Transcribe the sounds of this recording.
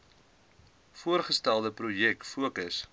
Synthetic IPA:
fuərχəstælˠdəpɾujɛk̚fuəkəs

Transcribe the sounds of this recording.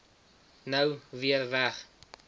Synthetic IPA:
nəwviərvæχ

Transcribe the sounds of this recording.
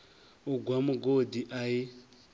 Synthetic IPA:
ʊɡwamʊɡodiʔai

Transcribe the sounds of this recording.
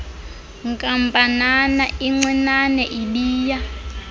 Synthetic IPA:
ŋkʼampʼananaʔiŋ͡ǀwɛnanɛʔiɓiːja

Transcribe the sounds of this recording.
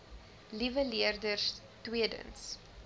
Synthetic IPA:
livəliərdərs | twiədə̰ns

